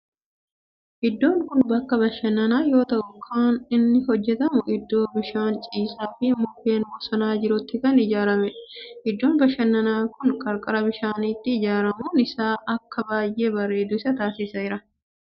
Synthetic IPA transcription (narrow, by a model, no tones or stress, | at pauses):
ʔɪd̪ːo̞ːŋkʊnbɐkːɐbɐʃːɐnːɐnaːjo̞ːt̪ɐʔʊkʰaːnɪnːɪɦɔd͡ʒːɛt̪ɐmʊʔɪd̪ːo̞ːbɪʃaːnt͡ʃʼiːsaːfɪmʊfe̞ːnwɔsɐnaːd͡ʒɪɾʊt̪ːɪkɐnɪd͡ʒaːɾɐmɛʔɪd̪ːoːnbɐʃːɐnːɐnaːkʊnkʼɐɾkʼɐɾɐbɪʃaːnit̪ːɪːd͡ʒaːɾɐmuːnɪsaːʔɐkːɐbaːjʔe̞ːbɐrːe̞ːd̪ʊɪsɐt̪aːsɪsɐɪɾɐ